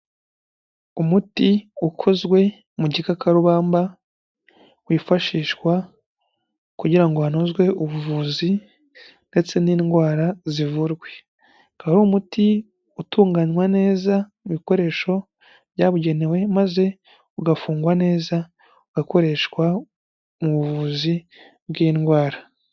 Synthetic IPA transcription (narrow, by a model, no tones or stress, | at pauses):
umutiukʰozɡwe̞ | muɟikakaɾuβaːmba | wifaʃiːʃwa | kuɟiɾaŋɡohanozɡwe̞uβuvuːzi | nde̞t͡se̞niːnɡwaːɾazivuɾɡwe̞ | kaɾoːmuti | utuːŋɡanwane̞ːza | imiko̞ɾe̞ʃo̞ | βɟaːβuɟe̞ne̞we̞maze̞ | uɡafuːŋɡwane̞ːza | uɡako̞ɾe̞ʃkwa | muβuvuːzi | bɡiːnɡwaːɾa